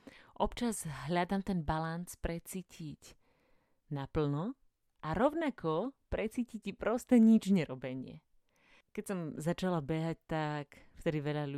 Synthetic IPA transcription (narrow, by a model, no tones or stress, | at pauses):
ʔɔpt͡ʃazɦʎad̪aːmt̪ɛnbalanspɾɛt͡siːcʰic | napl̩nɔ | ʔaɾɔʊnakʰɔpɾɛt͡siːcicipɾɔst̪ɛɲid͡ʒɲɛɾɔbɛɲɪɛ̰ | kɛcsɔmzat͡ʃalabɛɦac̚t̪akft̪ɛd̪iʋɛʎalu